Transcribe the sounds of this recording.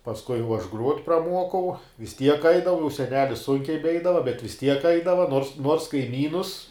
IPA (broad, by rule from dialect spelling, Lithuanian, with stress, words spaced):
pɐsˈkʊɪ ʊ ˈɐʃ ˈɡruɔtʲ prɐˈmuɔkɐʊ ʋʲɪs ˈtʲiɛk ˈɐɪdɐʋʊ jɛʊ sʲɛˈnʲæːlʲɪs ˈsʊŋʲkʲɛɪ bʲɛˈɛɪdɐʋɐ bʲɛt ʋʲɪs ˈtʲiɛk ˈɐɪdɐʋɐ noːrs ˈnuɔrs kɐɪˈmʲiːnʊs